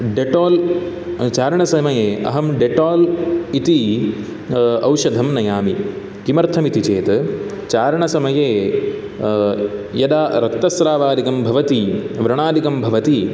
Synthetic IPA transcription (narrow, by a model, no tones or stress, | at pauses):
ɖeʈoːl | t͡ʃaːɾɐɳɐsɐmɐjeːɐ̰ɦɐmɖeʈoːlit̪i | ɐwʃɐd̪ʱɐmnɐjaːmi | kimɐɾt̪ʰɐmit̪it͡ʃeːt̪ | t͡ʃaːɾɐɳɐsɐmɐjeː | jɐd̪aːɾɐkt̪ɐsɾaːʋaːd̪ikɐmbʱɐʋɐt̪iʋɾɐɳaːd̪ikɐmbʱɐʋɐt̪i